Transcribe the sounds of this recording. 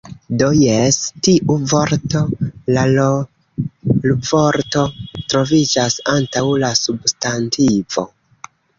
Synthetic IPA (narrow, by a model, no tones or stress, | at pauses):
dojestiʔuvo̞ɾto̞la | luvo̞ɾto̞tɾo̞vid͡ʒasantawlasubstantivo̞̰